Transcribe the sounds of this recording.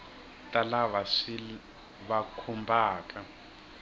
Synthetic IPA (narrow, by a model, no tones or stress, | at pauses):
tʼalaβaʂi | βakʰumbʱaːkʼa